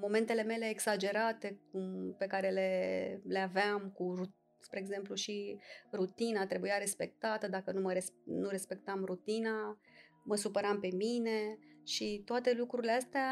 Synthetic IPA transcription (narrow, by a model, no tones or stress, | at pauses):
mo̞me̞nt̪e̞le̞me̞le̞ːɡsad͡ʒe̞ɾat̪e̞k̚umpe̞kaɾe̞leleaveamkuɾu | spɾeːɡze̞mpluʃirut̪inat̪ɾe̞bujaɾe̞spe̞k̚t̪at̪əd̪akənuməɾesnuɾe̞spe̞k̚t̪amɾut̪ina | məsupəɾampe̞mine̞ʃit̪oat̪e̞lukɾuɾileast̪ea